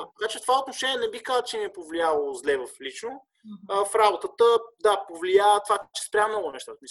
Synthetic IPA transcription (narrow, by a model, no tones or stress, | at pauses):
t̪ɐkat͡ʃɛft̪ovaot̪noʃɛniɛnɛbixkazət͡ʃɛniɛpovlialˠozlɛvəflit͡ʃno | əfɾabot̪ət̪əd̪apovliaət̪vat͡ʃɛ̥spɾʲamnɔɡʊnɛʃt̪at̪əmi